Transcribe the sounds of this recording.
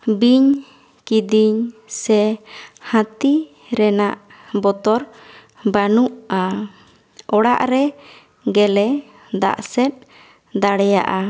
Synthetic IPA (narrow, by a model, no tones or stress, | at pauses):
biɲ | kid̪iɲsɛhãt̪i | ɾɛnaʔ | bɔt̪ɔɾ | banuʔa | ɔɽa̰ʔɾɛ | ɡɛlɛ | d̪a̰ʔsɛt̪̚ˀ | d̪aɽɛja̰ʔa